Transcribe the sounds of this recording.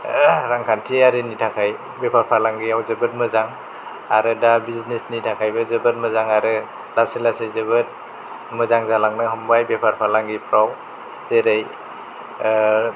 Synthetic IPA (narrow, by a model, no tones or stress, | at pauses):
ɾaŋkʰantʰiaɾinitʰakʰaj | bepʰaɾpʰalaŋɡiawzɯbɯt̚mɯzaŋ | aɾɯdabiznesnitʰakʰajbɯzɯbɯt̚mɯzaŋaɾɯ | daselasezɯbɯt̚ | mɯzaŋzalaŋnɯɦɯmbajbepʰaɾpʰalaŋɡipʰɾaw | zeɾej